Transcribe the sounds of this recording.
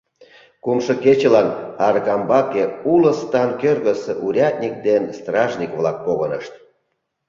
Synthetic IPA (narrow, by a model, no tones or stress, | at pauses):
kumʃɤ̆ket͡ɕelɑnɑɾɣɑmbɑkeulə̆st̪ɑnkørɣə̆seʔuɾʲɑt̪̚nʲik̚d̪enst̪rɑʒnʲikβlɑk̚poɣənəʃt̪